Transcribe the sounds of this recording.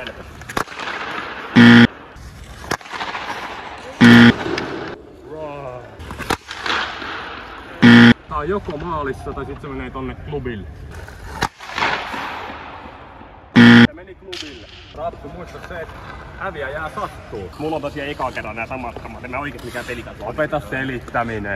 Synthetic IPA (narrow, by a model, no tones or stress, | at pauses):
elke | rɑ | tɑːjjokomɑːlisːɑt̪ɑisit̪semeneːt̪onːekklubil | semeniklubil | rɑt̪ːumuist̪ɑsset̪hæʋiæjæːsɑt̪ːuːmulːont̪ɑsieekɑkerːɑnnæːsɑmɑt̪kɑmɑt̪emæoikesmikæpelikɑt̪opet̪ɑsselit̪ːæmine